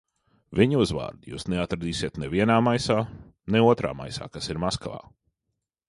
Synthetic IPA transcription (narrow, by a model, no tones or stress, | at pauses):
viɲuzva̰ːɾd̪ujṵːsneat̪ɾad̪iːsiɛt̪nɛviɛnaːmajsaː | nɛuɔt̪ɾa̰ːma̰jsa̰ːkasiɾmaskalˠa̰ː